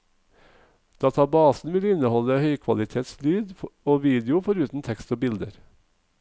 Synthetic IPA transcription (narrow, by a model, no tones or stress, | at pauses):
d̪̥ɑːt̪ʰɑːbɑːsn̩ʋɪlɪnəhɔləhœʏkʰʋɑ̰lɪt̪ʰeːt̪slyːd̪oːʋiːd̪ɪʊfɔɾʉːt̪n̩t̪ʰɛkst̪oːbɪld̪əɾ